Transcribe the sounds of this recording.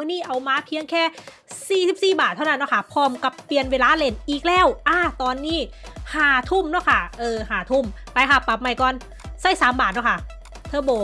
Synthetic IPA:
mɯ˧˥˨niː˥˩ʔa˧˩wmaː˧˥pʰi˧˥əŋkʰɛː˥˩ | siː˨˩si˨˩p̚siː˨˩baː˨˩t̪ʰːa˥˩wna˧˥˩nːɔ˥˩kʰa˥˩pʰɔː˧mka˧˩ppli˧ənweː˧laː˧˥le˧˩nʔiː˨˩k̚lɛː˧˥˩wʔaː˧˩t̪ɔː˧nːiː˥˩haː˨˩˦t̪ʰu˥˩mnaː˧˥˩kʰa˥˩ʔɤː˧haː˨˩˦t̪ʰu˧˥˩mpa˧jkʰa˧˥˩pa˨˩p̚ma˧˩jkɔː˧n | saː˥˩jsaː˩˦mbaː˨˩nɔː˦˥˩kʰa˥˩ | t̪ʰɤː˧˩boː˨˩

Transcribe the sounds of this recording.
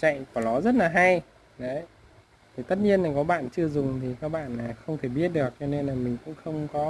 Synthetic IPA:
t͡ɕa̰˧˨jkɔ˨˩lɔ˨˦zə˦˥t̚laː˨˩ɦa˧j | ɗə˨˦j | t̪ʰi˨˩t̪ə˦˥t̚ɲi˧ənlaː˨˩kɔ˨˦ɓa̰ː˧˨nt͡ɕɨ˧əzʊ˨˩ŋ͡mt̪ʰi˨˩kaː˦˥k̚ɓa̰ː˧˨nːaː˨˩xə˧wŋ͡mt̪ʰe˧˩ɓi˦˥ət̚ɗɨ˨˩ək̚t͡ɕɔ˧ne˧nlaː˨˩mï˨˩ŋ̟kʊ̰˧˥ŋ͡mxə˧wŋ͡mkɔ˨˦

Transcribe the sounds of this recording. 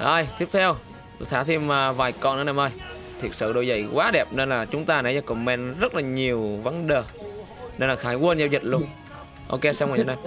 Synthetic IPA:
ʔəː˧˩jt̪i˦˥əp̚t̪ʰɛ˧w | t̪ʰaː˧˦t̪ʰi˧mːaː˨˩vaː˨˩jkɔ˧˩nʔə˨˦na˧˨˩mʔəː˧˩j | t̪ʰi˨˩ək̚sə̰ː˧˨˩ɗo˧˩jzə̰˧˩jkwaː˨˦ɗɛ˨˩p̚ne˧nlaː˨˩t͡ɕʊ˨˦ŋ͡mt̪aː˧nə˨˦ɲa˧˩kʊ̰˨˧˩ŋ͡mmɛ˧nzə˦˥t̚laː˨˩ɲi˨˩əwva˨˦nɗəː˨˩ | ne˧nlaː˨˩xaː˨˧˦jkwə˧nzɛ˧˩wzə˨˩t̚lu˧ən | ʔo̰˧ke˧sa˧wŋaː˨˩˨naː˨˧˩m

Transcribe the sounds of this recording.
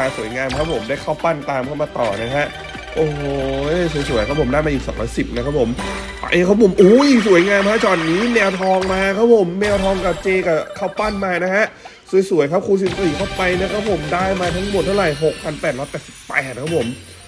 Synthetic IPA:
a˧su˨˩˦jŋaː˧mkʰa˦˥pʰo˩˦mdaː˥˩jkʰaː˥˩wpa˥˩nt̪aː˧mkʰa˥˩wmaː˧t̪ɔ̰ː˨˩na˦˥kʰa˦˥ʔ | ʔoː˨˩ɦo˨˩˥su˩˦js̬u˨˩˦jkʰa˦˥pʰo˨˩˦daː˥˩jma˧ʔiː˨˩ksɔ̰ː˦ŋlɔ̰ː˦˥jsi˨˩p̚na˦˥kʰa˦˥pʰo˨˩˦m | a̰˧ʔeː˧˩kʰa˦˥pʰo˩˦mʔuː˨˩ji˨˩su˨˩˦ə˦jŋaː˧mkʰa˦˥t͡ɕɔː˨˩nniː˦˥nɛː˧wt̪ʰɔː˧ŋmaː˧kʰa˦˥pʰo˩˦mːɛː˧wt̪ʰɔː˧ŋka˨˩p̚t͡ɕeː˧ka˨˩kʰaː˥˩wpa˥˩nmaː˧na˦˥kʰa˦˥ʔsu˩˦jsu˨˩˦jkʰa˦˥p̚kʰuː˧s̬i˨˩p̚siː˨˩kʰa˥˩wpa˧jna˦˥kʰa˦˥pʰo˨˩˦mdaː˥˩jmaː˧t̪ʰa˦˥ŋmo˨˩t̪̚ʰːa˥˩wɾa˨˩jɦo˨˩k̚pʰa˧npɛː˨˩t̪̚lɔ˦˥jpɛː˨˩t̪si̥˨˩ppːɛː˨˩t̪̚kʰa˦˥pʰo˨˩˦m

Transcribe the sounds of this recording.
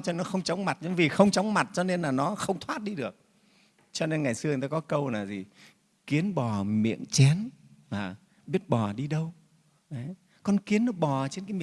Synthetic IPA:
t͡ɕɔ˧nɔ˨˦xə˧wŋ͡mt͡ɕɔ˨˦wŋ͡mma˨˩t̚zə˨˧˦vi˨˩xə˧wŋ͡mt͡ɕɔ˨˦wŋ͡mma˨˩t̚t͡ɕɔ˧ne˧nlaː˨˩nɔ˨˦xə˧wŋ͡mt̪ʰwaː˦˥t̚ɗi˧ɗɨ˨˩ək̚ | t͡ɕɔ˧ne˧nŋa˨˩jsɨ˧˨˩t̪aː˧kɔ˨˦kə˧wlaː˨˩zi˨˩ | ki˨˦ənɓɔ˨˩mḭ˧˨əŋt͡ɕɛ˨˦nvaː˨˩ | ɓi˦˥ət̚ɓɔ˨˩ɗi˧ɗə˧w | ʔə˨˦j | kɔ˧nki˨˦ənːɔ˨˦ɓɔ˨˩t͡ɕe˧nkaː˨˦mi˧˨

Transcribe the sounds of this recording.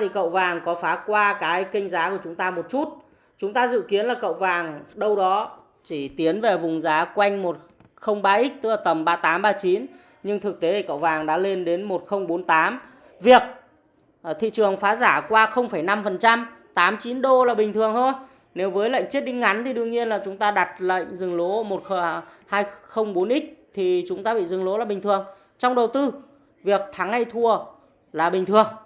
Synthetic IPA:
t̪ʰi˨˩kə̰˧˨wvaː˨˩ŋkɔ˨˦faː˨˦kwaː˧kaː˨˦jkï˧ŋ̟zaː˨˦ku˧˩ət͡ɕʊ˨˦ŋ͡mt̪aː˧mo˨˩t̚t͡ɕu˦˥t̚ | t͡ɕʊ˨˦ŋ͡mt̪aː˧zɨ̰˧˨ki˨˦ənlaː˨˩kə̰˧˨wvaː˨˩ŋɗə˧wɗɔ˨˦ | t͡ɕi˧˩t̪i˨˦ənve˨˩vʊ˨˩ŋ͡mzaː˨˦kwa˧jŋ̟mo˨˩t̚ | xə˧wŋ͡mɓaː˧ʔi˦˥k̚t̪ɨ˦˥laː˨˩t̪ə˨˩mɓaː˧t̪aː˨˦mɓaː˧t͡ɕi˨˦n | ɲɨ˧ŋt̪ʰɨ˨˩k̚t̪e˨˦t̪ʰi˨˩kə̰˧˨wvaː˨˩ŋɗa̰ː˧˥le˧nɗe˨˦nmo˨˩t̚xə˧wŋ͡mɓo˨˦nt̪aː˨˦m | vi˨˩ək̚ | t̪ʰḭ˧˨t͡ɕɨ˨˩əŋfaː˨˦zaː˧˩kwaː˧xə˧wŋ͡mfa˧˩jna˧mfə˨˩nt͡ɕa˧mt̪aː˨˦mt͡ɕi˨˦nɗo˧laː˨˩ɓï˨˩ŋ̟t̪ʰɨ˨˩əŋt̪ʰo˧j | ne˨˦wvəː˨˦jlə̰˧˨jŋ̟t͡ɕi˦˥t̚ɗï˧ŋ̟ŋa˨˦jnt̪ʰi˨˩ɗɨ˧əŋɲi˧ənlaː˨˩t͡ɕʊ˨˦ŋ͡mt̪aː˧ɗa˨˩t̚lə̰˧˨ŋ̟zɨ˨˩ŋlo˨˦mo˨˩t̚xə˧haː˧jxə˧wŋ͡mɓo˨˦nʔi˦˥t̚t̪ʰi˨˩t͡ɕʊ˨˦ŋ͡mt̪aː˧ɓḭ˧˨zɨ˨˩ŋlo˨˦laː˨˩ɓi˨˩ŋ̟t̪ʰɨ˨˩əŋ | t͡ɕɔ˧wŋ͡mɗə˨˩wt̪ɨ˧ | vi˨˩ək̚t̪ʰaː˨˦ŋːha˧jt̪ʰu˧˩ə | laː˨˩ɓï˨˩ŋ̟t̪ʰɨ˨˩əŋ

